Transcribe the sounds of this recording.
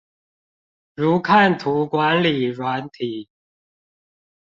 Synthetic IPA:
ɻu˧˥kʰa˥˩nt̪ʰu˧˥kwa˧˥nli˨˩ɻwa˧˥nt̪ʰi˨˦

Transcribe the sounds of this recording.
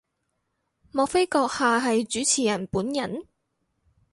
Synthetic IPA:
mɔː˨˧k̚fe˥jkɔː˧k̚haː˨ɦɐ˨jt͡ʃyː˨˥t͡sʰiː˨˩jɐ˨˩npuː˨˥njɐ˨˩n

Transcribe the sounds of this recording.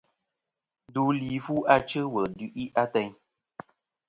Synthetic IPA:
du˨˦liː˨fu˦a˦t͡ʃə˦wə˨dʉ˦ʔi˦ʔa˦tɛ˦ɲ

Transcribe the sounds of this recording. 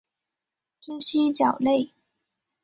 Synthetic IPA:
ti˥ɕi˥t͡ɕjɑ˨˩ʊle˥˩ɪ

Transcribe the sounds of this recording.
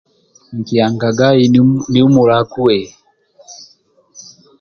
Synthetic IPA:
ŋ̩˨ki˨a˨ŋɡa˨ɡa˦i˨ni˦u˦mu˨ɾa˨˦ku˦ɛ˨

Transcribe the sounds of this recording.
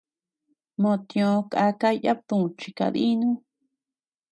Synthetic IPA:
mõ˧t̪jõ˧ka˧ka˦˧ja˦p̚t̪ũ˧˨t͡ʃi˧ka̰˧ði˦nũ˦

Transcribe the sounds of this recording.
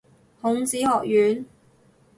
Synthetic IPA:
hʊ˨˥ŋt͡siː˨˥hɔː˨k̚jyː˨˥n

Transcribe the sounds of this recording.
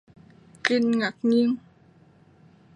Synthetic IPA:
ki˧˩nŋa˨˩k̚ɲi˧˥əŋ

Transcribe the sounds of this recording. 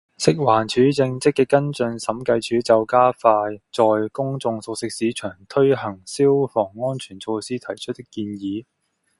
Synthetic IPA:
sɪ˥k̚waː˨˩nt͡ʃʰyː˨˥t͡sɪ˧ŋt͡sɪ˥kːɛː˧kːɐ˥nt͡sɵ˧nsɐ˨˥mkɐ˧jt͡ʃʰyː˨˥t͡sɐ˨˧wkaː˥faː˧jt͡sɔː˨jkʊ˥ŋt͡sʊ˧ŋso˧k̚sɪ˥k̚siː˨˥t͡ʃʰœː˨˩ŋt̪ʰɵ˥ɥɦɐ˨˩ŋsiː˥wfɔː˨˩ŋːɔː˥nt͡ʃʰyː˨˩nt͡so˧wsiː˥t̪ʰɐ˨˩jt͡ʃʰɵ˥t̚t̪ɪ˥kːiː˧njiː˨˧˦

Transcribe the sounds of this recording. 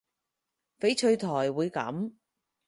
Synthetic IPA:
fe˨˥jt͡ʃʰɵ˧ɥt̪ʰɔː˨˩jwuː˨˧jkɐ̰˨˥m

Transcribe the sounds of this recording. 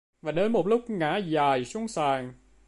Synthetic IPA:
vaː˨˩ɗe˨˦nmo˨˩t̚lʊ˦˥k͡p̚ŋa̰ː˧˥zaː˨˩jsʊ˨˧˦ŋsaː˨˩ŋ

